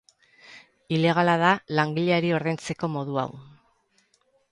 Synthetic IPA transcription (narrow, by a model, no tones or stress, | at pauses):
ile̞ɣ̞alað̞alaŋɡiʎeaɾio̞ɾðe̞nt͡se̞ko̞mo̞ðua̰w